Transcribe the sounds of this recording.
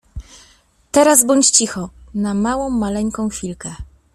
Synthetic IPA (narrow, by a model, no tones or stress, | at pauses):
t̪ɛɾazbɔɲt͡ɕt͡ɕixɔnamawɔ̃w̃malɛŋkɔ̃w̃fʲilkɛ